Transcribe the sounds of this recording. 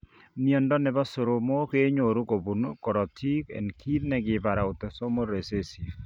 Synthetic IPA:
mi˨ɔ˨ndɔ˦nɛ˨βɔ˦so˨ɾo˨mo˦ke˦ɲo˨ɾu˦ko˨bu˨nkɔ˨ɾɔ˨tʰi˦kɛ̰˨nkʰi˦ðnɛ˨ɡɪ˨ba˨ɾa˨o˨tɔ˨so˦mo˦ɾe˨se˦si˨f

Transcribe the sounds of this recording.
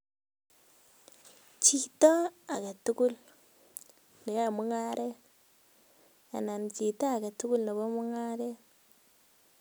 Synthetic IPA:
t͡ʃi˨to˦a˨ka˨tu˦ku˦l | ni˨a˨mu˦ŋa˦ɾe˦ | a̰˨na˨nt͡ʃi˨taː˦˨ka˨tu˦ku˦lna˨bo˦mu˦ŋa˦ɾe˦

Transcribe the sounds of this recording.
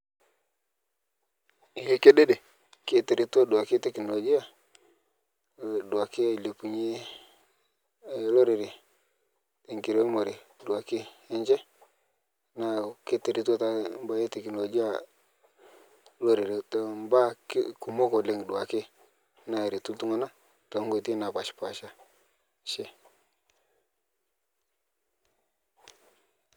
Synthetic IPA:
je˦ke˦de˦de˨ | ke˦te˨ɾi˨tu˦o˦du˨a˨kɪ˦tɛ˦˨kno˨lo˨ɡi˦a˨ | dʊ˨a˨kɪ˦˨le˨pu˨ɲe˦ | lo˦ɾɪ˨ɾɪ˨ | te˨ŋki˨ɾe˦mo˨ɾe˨ | du˨a˨kɪ˦e˦ɲd͡ʒɛ˦ | na˨ke˦te˨ɾi˨tu˦a˦ta˦mba˨˦je˦te˨ki˨no˨d͡ʒi˦a˨ | lo˦ɾe˨ɾi˨tmba̰˦ku˨mo˦ko˨le˨ŋ˨du˨a˨kɪ˦ | na˨ɾi˨tu˦ltu˦ŋo˦na˦ | to˨ŋɡo˦˨ti˦na˨pa˨ʃpa˨ʃa˦ | ʃe˦

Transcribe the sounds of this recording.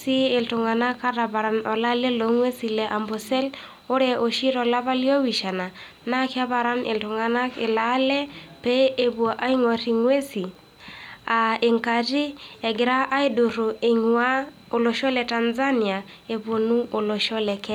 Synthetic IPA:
siː˦˨ltʊ˨ŋa˨na˦ka˦ɾa˨ba˨ɾa˨nɔ˨la˦lɛ˦lo˨˦ŋwe˦si˨lɛ˨ʔa˨mbo˨sɛ˦l | o˦ɾɛ˨ʔo˨ʃi˦ɾɔ˨la˦βa˦li˦ɔ˦wi˨ʃa˨na˨ | na˦kɪ˦a˦ba˨ɾa˦nʔɪ˨ltʊ˨ŋa˨na˦kɪ˨la˦lɛ˦pɛ˦e˨bwʔa˦i˦ŋwa˨ɾi˨ŋwe˦si˨ | a˨e˨ŋka˨ti˦ɛ˨ɡɪ˨ɾa˦ʔa˦i˦do˨ɾo˨ɪ˨ŋwa˦ | o˨lo˨ʃɔ˦lɛ˨ta˨nza˦ni˨a˨ | e˨bo˨nu˦o˨lo˨ʃɔ˦lɛ˨kɛ˦

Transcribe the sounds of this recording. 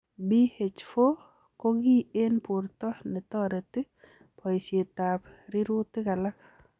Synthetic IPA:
bi˦he˨t͡ʃfo˦ | ko˦ɡi˦e˦npʊ˨ɾt̪ɔ˦hnɪ˨t̪ɔ˦ɾe˨t̪ɪ˦ | pʰɔ˨i˨sje˨t̪a˨pɾɪ˦ɾʊ˦t̪ːɪ˦ɡa˨la˦k

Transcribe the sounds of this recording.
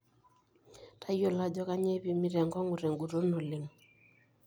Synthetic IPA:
tʰa˦jjɔ˦˨la˦d͡ʒɔ˦ka˦ɲɛ˦pi˨mi˦ɾɛ˨ŋɡɔ˦ŋɡu˨ɾɛ˨ŋɡu˨ɾo˦nɔ˨lɪ˨ŋ

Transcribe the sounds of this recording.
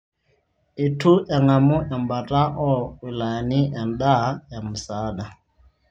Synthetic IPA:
i˨tʰu˦ʔɛ˨ŋa˨mu˦ʔɛ˨mba˨tʼa˦ʔɔ˦u˨la˨ni˦ʔɛ˨nda˦ja˨mu˨saː˨˦ɗa˨

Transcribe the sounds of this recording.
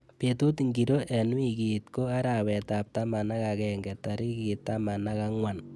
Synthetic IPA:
pe˨tu˦tŋɡiɾo˦ʔɛ˨nwi˦ki˨tko˦a˦ɾa˨wɛ˨ta˨p̚ta˦ma˨na˦kakɛŋɡɛ˨taɾi˦ki˨t̪ːa˦ma˨naka˦ŋwa˨n

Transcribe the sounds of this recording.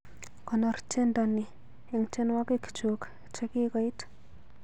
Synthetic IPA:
kɔ˨nɔ˨ɾt͡ʃe˦nda˨nːi˨ | i˨ŋt͡ʃe˦nwa˦ke˦ki̥t͡ʃo˨k | t͡ʃa˦ki˦ka˨i˦t

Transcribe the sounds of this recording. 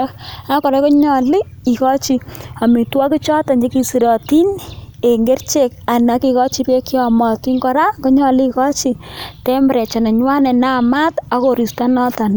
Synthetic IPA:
a˦kɔ˨ɾe˦kɔ˦ɲɔ˨lɪ˦ | i˨kɔ˦t͡ʃi˨a˨mi˨twa˦kɪ˦t͡ʃɔ˦ta˨ɲd͡ʒe˦ki˦si˨ɾɔ˨ti˦ne˨ŋɡe˦rt͡ʃe˨ka˨na˨˦ki˨kɔ˦t͡ʃi˦pe˦ki˦ɔ˨mɔ˨ti˦ŋkɔ˨˦ɾa˦kɔ˦ɲɔ˨lɪ˦ikɔ˦t͡ʃitɛ˦mɾɛ˨t͡ʃa˨na˨ɲwa˦nɛ˨na˦ma˦ta˦ko˨ɾi˨sta˦nɔ˦ta˨n˨

